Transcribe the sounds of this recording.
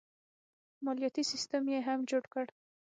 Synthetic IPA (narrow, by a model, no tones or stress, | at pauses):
mɑljɑt̪isist̪əmjeɦamd͡ʒoɽkəɽ